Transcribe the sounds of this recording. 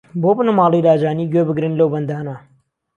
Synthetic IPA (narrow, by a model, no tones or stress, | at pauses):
bobɨnɐmɑːlˠijlaːd͡ʒaːniɡebɨɡɾɨnlɐwbɐnd̪aːnɐ